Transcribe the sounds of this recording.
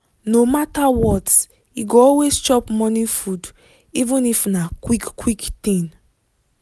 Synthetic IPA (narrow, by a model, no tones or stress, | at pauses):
nomatawɔt | iɡoɔlwest͡ʃɔpmɔ̃nĩfud | ivũnifnakwikkwiktĩn